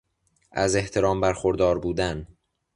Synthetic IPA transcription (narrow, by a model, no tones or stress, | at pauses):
ʔæze̞ht̪ʰe̞ɾɒːmbæɾxoɾd̪ɒːɾbuːd̪æn